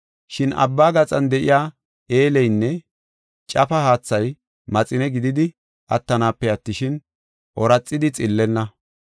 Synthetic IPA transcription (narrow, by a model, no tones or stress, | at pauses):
ʃɪnɐ̰bːaːɡɐt͡sʼɐnd̪ɛʔɪ̰jaː | e̞ːlɛjnːɛ | t͡ʃʼɐfɐhaːt͡sːɐj | mɐt͡sʼɪnɛɡɪd̪ɪd̪ɪ | ʔɐt̪ːɐnaːpːɛɐt̪ːɪʃɪn | ʔɔɾɐt͡sʼːɪd̪ɪt͡sʼɪlːɛnːɐ